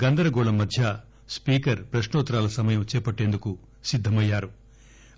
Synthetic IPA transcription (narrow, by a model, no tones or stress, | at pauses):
ɡɐnd̪ɐɾɐɡɔːɭɐmːɐd̪ʱjɐ | spiːkɐɾpɾɐʃnɔːt̪ːɾaːlɐsɐmɐjɐmt͡ʃɛːpɐʈːeːnd̪uku | sid̪ʱːɐmɐjːaːɾu